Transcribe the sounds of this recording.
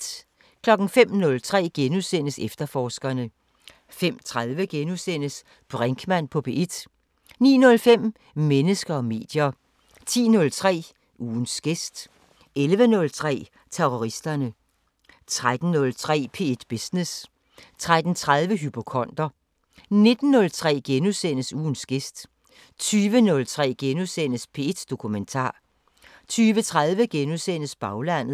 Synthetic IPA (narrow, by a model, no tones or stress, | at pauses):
kʰlɒ̽ɡ̥n̩fem̰nɔ̽lt͡sʰʁɛ̰ːɡ̥enusen̰əsefd̥ɐfɒːsɡ̥ɐnə | fem̰t͡sʰʁaðˠʋəɡ̥enusen̰əs | b̥ʁeŋɡ̥ʰmæn̰pʰɒ̽b̥ʰe̝ed̥ | nḭːnɔ̽lfem̰ | menəsɡ̥ɐɒ̽me̝̰ːd̥jɐ | t͡sʰḭːnɔ̽lt͡sʰʁɛ̰ː | uːn̩sɡ̥esd̥ | elʋənɔ̽lt͡sʰʁɛ̰ː | t͡sʰeʁoʁisd̥ɐnə | t͡sʰʁad̥n̩ːɔ̽lt͡sʰʁɛ̰ːpʰe̝ːed̥b̥esnes | t͡sʰʁad̥n̩t͡sʰʁað̞ˠʋəɦypʰo̝kʰɒ̽n̰d̥ɐ | ne̝d̥n̩ːɔ̽lt͡sʰʁɛ̰ːɡ̥enusen̰əsuːn̩sɡ̥e̝sd̥ | t͡sʰyːʋənɔ̽lt͡sʰʁɛ̰ːɡ̥enusen̰əspʰe̝ːed̥d̥o̝kʰument͡sʰɑ̰̈ː | t͡sʰyːʋət͡sʰʁaðˠʋəɡ̥enusen̰əsb̥ɑ̈ʊlæn̰ð̩ˠ